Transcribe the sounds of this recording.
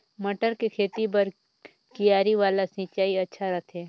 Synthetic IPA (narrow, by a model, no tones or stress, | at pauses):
mɐʈəɾkekʰeːt̪ipɐɾ | kijaːɾiʋaːlasĩːt͡ʃaːiɐtːʃʰaɾɐt̪ʰɛː